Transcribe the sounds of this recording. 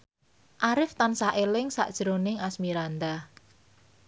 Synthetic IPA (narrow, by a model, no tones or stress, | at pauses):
ʔaɾɪft̪ansaʔelɪŋsa̰ʔd̥ʒ̥ɾonɪŋasmiɾand̪a